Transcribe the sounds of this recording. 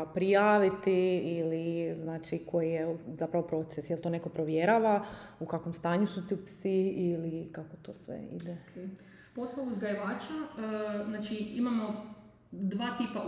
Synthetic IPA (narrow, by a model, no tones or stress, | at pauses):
pɾijaːʋit̪iiliznaːt͡ʃikʰo̞jijezapɾaʋo̞pɾo̞t̪sesjelˠt̪o̞ne̞ko̞pɾoʋjeɾaʋaukakʋomst̪aːɲusut̪iupsiilikakot̪o̰ːsʋḛḭd̪e | posˠauzɡajiʋaːt͡ʃaznaːt͡ʃiimamo | d̪ʋaːt̪iːpa